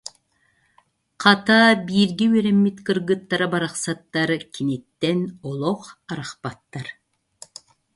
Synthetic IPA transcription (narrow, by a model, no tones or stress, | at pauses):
qʰɑt̪aːbiːɾɡɛyœɾɛmːit̪kɯɾɡɯt̪ːaɾabaɾaχsat̪ːaɾkʰinit̪ːɛnɔlˠɔχaɾaχpat̪ːaɾ